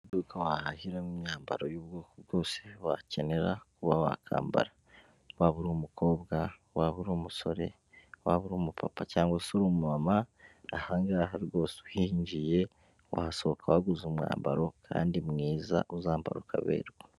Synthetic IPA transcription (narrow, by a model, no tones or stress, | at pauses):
dukawahahiɾemumɲaːmba̰ɾo̞juːbɡoːkoβɡo̞ːseβace̞ne̞ɾakuβawa̰kʰa̰ːmba̰ɾa | waβuɾumukʰo̞ːbɡa | waβuɾuːmuso̞ɾe̞̰ | waβuɾuːmupʰapacaːŋɡwasoɾumumamaːhaːŋɡaɦaɾiɡo̞ːseuhihiɲɟije̞ | wa̰haso̞βokʰawaɡuzumŋa̰ːmba̰ɾo̞kʰa̰ːndimŋiːza̰ʔuzaːmba̰ɾukʰaβḛːɾɡo